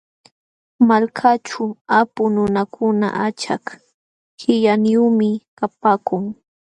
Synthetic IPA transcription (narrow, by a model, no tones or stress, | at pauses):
malkʰat͡ʃʊapʊnʊnakʰʊna̰ʔat͡ʃak | hɪʎanjumɪkapaːkʊŋ